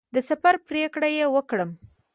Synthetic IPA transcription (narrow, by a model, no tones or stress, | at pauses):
d̪əsafaɾpɾekɽajewəkɽəm